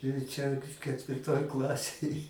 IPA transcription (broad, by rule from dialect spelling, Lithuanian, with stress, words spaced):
ɪr ˈt͡ʃʲɛ kʲɛtʲʋʲɪrˈtoːj ˈklˠɑːsʲeːj